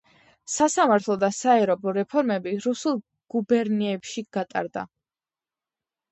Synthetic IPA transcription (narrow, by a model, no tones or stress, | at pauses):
sasamaɾt̪ʰlˠɔd̪asaɛɾɔbɔɾɛpʰɔɾmɛbiɾusulˠ | ɡ̥ubɛɾniɛpʃiɡ̥at̪ʼa̰ɾd̪a̰